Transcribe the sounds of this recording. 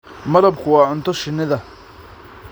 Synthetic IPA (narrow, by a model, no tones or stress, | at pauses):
mɐɾɐb̚kʰʊwɑːʊnt̪ʰɔʃɪnɪðɐ